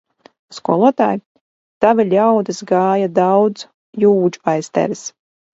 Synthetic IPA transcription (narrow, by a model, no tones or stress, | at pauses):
skuɔlˠuɔt̪aːj | t̪avɨlʲawd̪ɨsɡaːjad̪awd̪z | juːd͡ʒupajst̪ɛ̰ɾs